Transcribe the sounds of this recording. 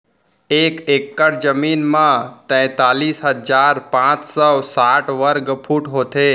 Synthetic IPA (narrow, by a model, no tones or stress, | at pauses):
ekekːəɽd͡ʒəminmãt̪ə̃t̪alisɦəd͡ʒaɾpãt͡ʃsɔsaʈʋəɾɡpʰuʈɦot̪ʰe